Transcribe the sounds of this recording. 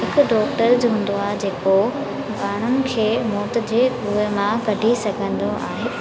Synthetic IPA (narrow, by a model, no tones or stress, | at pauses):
ɦɪkʊ̆ɖɔːʈəɾd͡ʑɦũːn̆d̪oaːɦed͡ʑeːko | baːɽ̤ʊnɪ̆kʰeːmɔːt̪ɪ̆d͡ʑeː | ʊːemãkɐɖʱisɐɡʱə̃nd̪oʔa̰ːɦeː